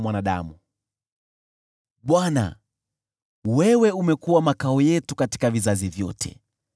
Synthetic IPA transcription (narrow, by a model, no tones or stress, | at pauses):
mwanaɗa̰mu | ɓwana̰ | wɛwɛumɛkuwamakaɔjɛtukati̥kavizazivjɔ̰tʰɛ̰